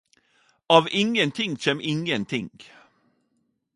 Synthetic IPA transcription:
ɑːvɪŋːənt̪ʰɪŋːɕɛmɪŋːənt̪ʰɪŋ

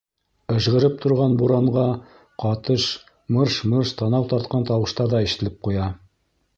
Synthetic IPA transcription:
ɘ̆ʃʁɘ̆ɾɘp̚t̪ʰŏɾʁɑnbuɾɑɴɢɑ | qɑt̪ɤʃ | mɤɾʃmɤɾʃt̪ɑnɑwt̪ɑɾt̪̚qɑnt̪ɑwɤ̆ʃt̪ɑɾðɑɘ̆ʃɘ̥̆ɘ̆lɘp̚qujɑ

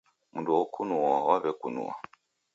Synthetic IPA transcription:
munduɔkunuawaβɛkunṵwa̰

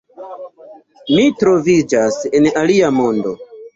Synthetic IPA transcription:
mitɾo̞vid͡ʒase̞naliamo̞ndo̞

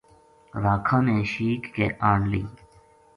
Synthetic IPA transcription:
ɾaːkʰãːmẽːʃiːkːḛːʔaːɳliː

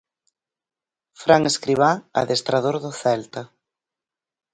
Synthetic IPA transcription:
fɾaŋeskɾiβ̞aa̰ðest̪ɾaðoɾðʊθɛlt̪ɐ

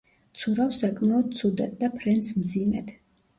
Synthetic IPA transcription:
t̪sʰuɾafsakʼmaɔd̪̚t̪sʰud̪ɛt̪̚d̪apʰɾɛnsmd̪zimɛ̰d̪̥

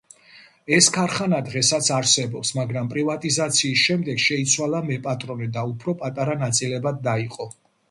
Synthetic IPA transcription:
ɛskʰaɾχanad̪ʁɛsat̪sʰaɾsɛbɔpsmaɡɾampʼɾivat̪ʼizat̪sʰiːsʃɛmd̪ɛɡʃɛit̪sʰwalˠamɛpʼat̪ʼɾɔnɛd̪aupʰɾɔpʼat̪ʼaɾanat̪sʼilɛbad̪̚ːaiqʼɔ

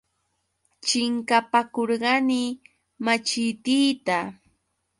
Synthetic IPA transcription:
t͡ʃɪŋkapakoɾɢɑnɪ | mat͡ʃɪt̪iːt̪a

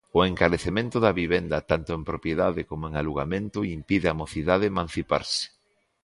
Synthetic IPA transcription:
ʊeŋkaɾeθemẽnt̪ʊðɐβiβend̪ɐt̪ant̪ʊempɾopjeðaðɪkomoeŋaluɣamẽnt̪ʊimpiðɪamoθiðað̞ɪmãn̟θipa̰ɾsɪ̥

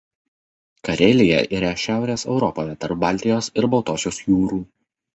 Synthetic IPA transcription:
kɐɾʲelʲɪjɛ̰ʔiːɾɐʃʲæˑʊɾʲeːsɛʊɾɔpoːjɛt̪ɐɾp̚bɑˑlʲt̪ʲɪjoːsɪɾbɒʊt̪oːsʲoːsjuːɾuː

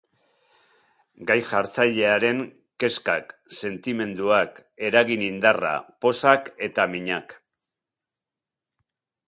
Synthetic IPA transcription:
ɡajʝaɾt͡saʎe̞aɾe̞ŋ | ke̞skakse̞nt̪ime̞nd̪uake̞ɾaɣinind̪ara̰po̞sake̞t̪amiɲak

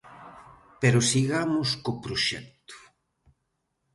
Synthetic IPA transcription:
peɾʊsiɣamʊskopɾoʃɛ̰k̚t̪u̥

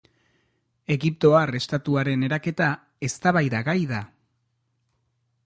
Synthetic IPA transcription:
e̞ɣip̚t̪o̞are̞st̪at̪uaɾe̞ne̞ɾake̞t̪a | e̞st̪aβajðaɣajða

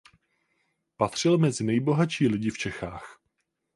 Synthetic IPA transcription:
pat̪r̝̥ɪlmɛzɪnɛjbo̞ɦat͡ʃiːlɪɟɪft͡ʃɛxaːx

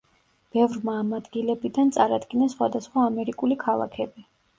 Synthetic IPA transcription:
b̥ɛvɾmaːmad̪ɡilɛbid̪ant̪sʼaɾad̪ɡinasχwa̰d̪asχwaːmɛɾikʼulikʰalˠa̰kʰɛbi

